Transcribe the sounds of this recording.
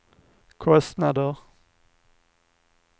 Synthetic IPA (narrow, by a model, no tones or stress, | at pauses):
kʰɔst̪nɑd̪əʁ